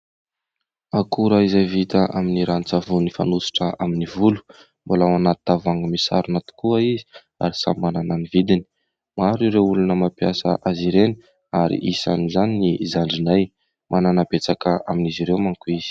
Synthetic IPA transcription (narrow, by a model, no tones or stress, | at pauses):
akuɾaizajvit̪əʔaminiɾanit͡savunifa̰nusi̥ʈ͡ʂəaminivulu̥ | mbolawanat̪t̪avaŋəmisa̰ɾanat̪i̥kuəizi | a̰ɾisa̰mmanananivid̪ini̥ | maɾiɾewulunəmapjasə̰ʔaziɾeni | aɾḭʔisa̰nuzaninizaɳɖ͡ʐinaj | mʔananabet͡sakəaminiziɾewmaŋkuiz̥i̥